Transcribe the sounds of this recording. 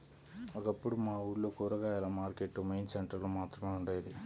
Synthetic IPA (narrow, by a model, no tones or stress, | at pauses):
ʋɔkɐpːuɽumaːuːɾloːkuːɾɐɡaːilaːmaːɾkeʈːumejnseɳʈɐɾloːmaːt̪ɾɐmeːuɳɖeːjd̪i